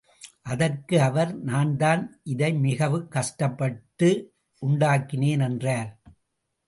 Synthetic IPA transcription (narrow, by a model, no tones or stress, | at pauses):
ʔɐðɐrkɯɐʋɐɾnaːnd̪aːnʔɪðɐɪmɪɣɐʋɯkːɐʂʈɐpːɐʈːɯ | ʔʊɳɖaːkːɪneːnɛndraːɾ